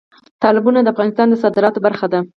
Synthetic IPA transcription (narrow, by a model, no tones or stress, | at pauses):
t̪ɑlɪbunad̪əafɣɑnɪst̪ɑnd̪əsɑd̪ɪɾɑt̪obaɾxad̪a